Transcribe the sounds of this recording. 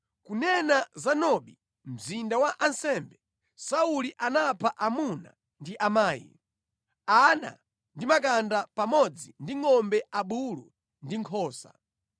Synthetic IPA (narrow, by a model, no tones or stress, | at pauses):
kunɛnazanɔɓi | m̩zindawaʔansɛmbɛ | sauliʔanapʰaʔamuna̰ | ndiʔamaːjḭ | ana̰ | ndimak̬andapamɔd͡zindiŋɔmbɛʔaɓulu | ndiŋkʰɔːsa̰